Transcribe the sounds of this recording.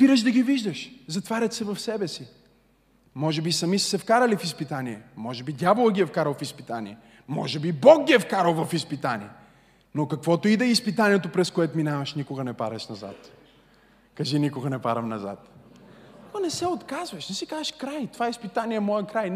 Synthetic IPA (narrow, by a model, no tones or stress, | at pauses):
spiɾəʃd̪ɐɡiviʒd̪əʃzɐt̪vaɾʲɐt̪sɛvɐfsɛbɛsi | mɔʒɛbisɐmissɛfkaɾəlifispit̪aniɛmɔʒɛbid̪ʲjavolˠəɡʲiɛfkaɾəlˠfispit̪anʲḭɛ | mɔ̰ʒɛbibɔɡ̚ɡʲiɛfkaɾəlˠvɐfispit̪anḭɛ | nokɐkvɔt̪oid̪ɛispit̪aniɛt̪opɾɛskoɛt̪ominavɐʃnikʊɡɐnɛpaɾɐʃnɐza̰t̪ | kɐʒinikʊɡɐnɛpaɾɐmnɐza̰t̪ | onɛsɛot̪kazvɐʃnɛsikazʃkɾajt̪ovaɛispit̪aniɛmɔjɛkɾaj